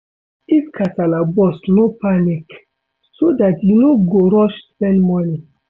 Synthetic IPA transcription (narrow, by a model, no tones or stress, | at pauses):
iskʰatalabɔsnopanik | sodatjunoɡoɾɔʃtɛlmɔni